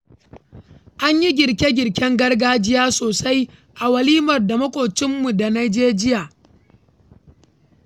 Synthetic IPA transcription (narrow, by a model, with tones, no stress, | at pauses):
ʔa˦ɲji˦ɡʲɪ˨ɾkʲe˦ɡʲɪ˨ɽkʲɛ˦ŋɡɐ˦rɡaː˦d͡ʒɪ˦jaː˦soː˨sa˦jʔa˨wɐ˨liː˦mɐ˨rda˨mɐ˦kʷʼoː˨t͡ʃɪ˦mːu˨da˨na˨d͡ʒeː˦d͡ʒɪ˦jaː˨